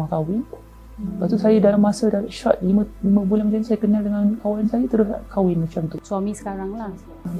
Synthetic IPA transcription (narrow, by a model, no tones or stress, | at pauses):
akawɪn | baʔt̪usajadalamːasədalaʃɔ̰t̪̚liməliməbulanmat͡ʃanasajakənaldəŋãnkawansajat̪əɾʊskʰawɪnmat͡ʃamt̪uswamĩsə̥kaɾaŋla